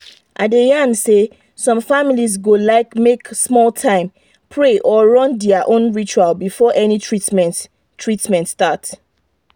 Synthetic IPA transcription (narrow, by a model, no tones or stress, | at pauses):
ʔadejãnse | sɔ̃mfamilizɡolaɪkmeksmɔltʰãɪ̃m | pʰɹeʔɔɹɔ̃ndɛaʔõnɹit͡ʃualbifɔʔɛnitɹit | tʰɹitmɛ̃ntstat